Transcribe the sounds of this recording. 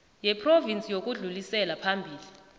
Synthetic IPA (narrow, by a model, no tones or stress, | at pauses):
jɛpʰrovint͡sʼijok̬ʼuɮulisɛlapʰambʱiːli